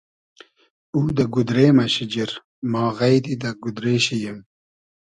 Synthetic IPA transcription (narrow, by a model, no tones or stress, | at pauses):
uːd̪ɐɡud̪ɾeːmɐɕid͡ʑiɾ | mɑːɣɐjd̪id̪ɐɡud̪ɾeːɕijim